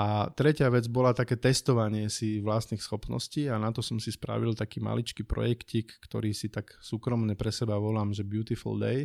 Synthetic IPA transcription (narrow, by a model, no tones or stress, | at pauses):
at̪ɾɛcɪaʋɛd͡zbɔlat̪akɛːt̪ɛst̪ɔʋaɲɪɛsiʋlast̪nixsxɔpnɔ̰sciːanat̪ɔsɔmsispɾa̰ʋilt̪akiːma̰lit͡ʃkiːpɾɔ̰jɛkcikːt̪ɔ̰ɾiːsit̪aksuːkɾɔmɲɛpɾɛsɛbaʋɔlaːmʒɛbjut̪ifṵld̪ɛ̰j